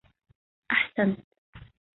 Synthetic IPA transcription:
ʔaħsant̪

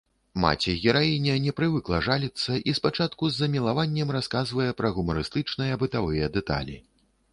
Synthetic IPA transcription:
ma̰t͡sʲɛɣʲɛɾainʲɐnʲɛpɾɨvɨklˠɐʐalʲit̪sːɐʔispat͡ʂat̪kuzːɐmʲilˠavanʲːɛmraskazvɐjɛpɾɐɣumɐɾɨst̪ɨt͡ʂnɨjɐbɨt̪avɨjɐd̪ɛt̪a̰lʲḭ

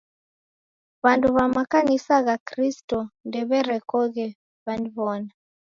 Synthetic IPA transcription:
βantuβamakanisaɣakristɔndɛβɛɾɛkɔɣɛ | βandiβɔna

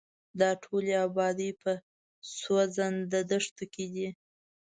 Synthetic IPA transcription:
d̪ɑʈʰoleabɑd̪əjpə | swazand̪əd̪əʂt̪oked̪i

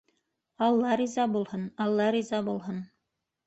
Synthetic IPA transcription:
ɑlˠːɑɾizɑbulˠhɤnɑlˠːɑɾizɑbulˠɦɤn

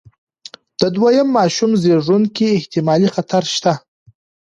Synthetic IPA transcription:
d̪̥əd̪wajəmːɑʃumzeʐunkiːht̪ɪmɑlixat̪ʰaɾʃt̪a

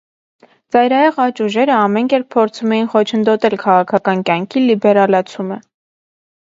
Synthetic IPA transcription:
t͡sɑjɾɑjɛʁɑt͡ʃuʒɛɾəɑmɛnkɛɾpʰːɔɾt͡sʰumɛjinχɔt͡ʃʰənd̪ɔt̪ɛlkʰɑʁɑkʰɑkɑnkjɑŋkʰilibɛɾɑlɑt͡sʰumə

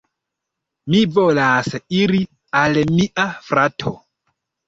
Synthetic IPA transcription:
mivolasiɾi | almiʔafɾatʰo̰

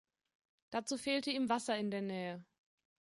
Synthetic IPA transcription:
d̥at͡suːfeːltəiːmvasɐɪndeːɐnɛːə

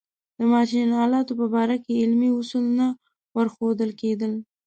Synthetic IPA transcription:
d̪̥əmɑt͡ʃinɑlɑt̪opəbɑɾakeɪlmiʊsulna | wəɾxod̪əlked̪əl

